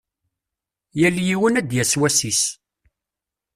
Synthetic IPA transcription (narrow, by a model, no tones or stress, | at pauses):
jæljiwənæd̪jæswæsis